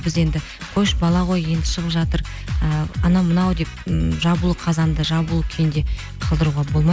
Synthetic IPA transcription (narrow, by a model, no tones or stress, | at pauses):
bɪze̞nd̪ɪ | qʰo̞jʃbɑlˠɑʁo̞je̞nd̪ɪʃəʁəpʒɑt̪əɾ | əɑnɑmənɑwd̪e̞p̚ʒɑbulˠəqʰɑzɑnd̪əʒɑbulˠkʲʰend̪e̞ | qʰɑlˠd̪əɾuʁɑbo̞lˠmɑ